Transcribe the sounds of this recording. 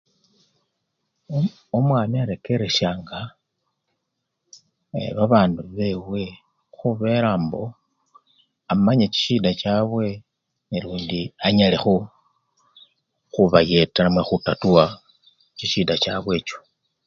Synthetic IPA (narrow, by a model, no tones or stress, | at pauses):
omwaːmiaɾe̞ke̞ɾe̞ʃjaːŋɡa | βaβaːnduβe̞we̞ | xuβe̞ɾaːmbo̞ | amaɲet͡ʃi̥ʃiːdat͡ʃaːβwe̞ | niluːndiaɲalexo | xuβaje̞teɾamwexutatuwa | t͡ʃiʃiːdat͡ʃaβwe̞ːt͡ʃo̥